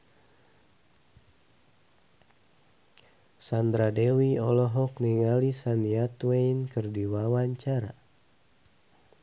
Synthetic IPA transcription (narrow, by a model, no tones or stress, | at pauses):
sand̪ɾadewiɔlɔɦɔkniŋalisanjat̪weinkɨrdiwawaɲt͡ʃaɾa